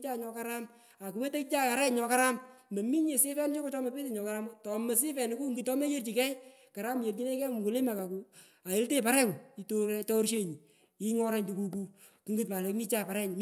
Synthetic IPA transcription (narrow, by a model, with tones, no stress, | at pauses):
t͡ʃa˦ɲɔ˧ka˦ɾa˦m | a˨ku˨we˦te˦kt͡ʃa˦ka˨ɾɛ˦ɲɔ˧ka˦ɾa˦mbe˨mi˦ɲe˨sɪ˦fɛ˦n˦ʃɔ˦ko˦tɔ˦me˨pe˦te˨ɲɔ˨ka˦ɾa˦m˦tɔ˨mɛ˨s̬ɪ˦fɛ˨nɪ˨˦ku˦ŋɡɨ˨tɔ˦me˦je˦rt͡ʃi˨kɛ˦j | ka˨ɾa˦m˦je˨rt͡ʃi˦ne˦kɛ˦˨ku˨le˦ma˨ka˨ku˨ | a˨e˦lte˦˨pa˨ɾɛ˦ku˨i˨to˦tɔ˦ɾʃe˦ɲi˨ | i˦ŋɔ˦ɾɛ˦ɲtu˨ku˧k̬u˧ | ki˨˦ŋɡɨ˦t̚pa˨le˨kmi˦t͡ʃa˦˨pa˨ɾɛ˦ɲ˨m